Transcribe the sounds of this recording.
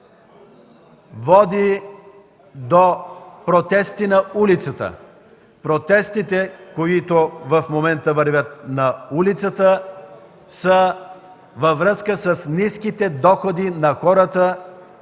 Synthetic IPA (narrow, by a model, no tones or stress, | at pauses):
vɔd̪i | d̪opɾot̪ɛst̪inɐulit̪sət̪ə̰ | pɾot̪ɛst̪it̪ɛkoit̪ovəfmomɛnt̪əvəɾvʲət̪̚nɐulit̪sət̪ə | sə | vɐvɾəskəsəsniskit̪ɛd̪ɔxod̪inɐxɔɾət̪ə